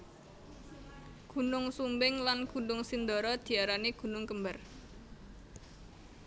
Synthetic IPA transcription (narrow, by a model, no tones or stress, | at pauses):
ɡ̥ṳnʊŋsumbɪŋlanɡ̥ṳnʊŋsind̪ɔɾɔd̪̥i̤aɾaniɡ̥ṳnʊŋkəmbar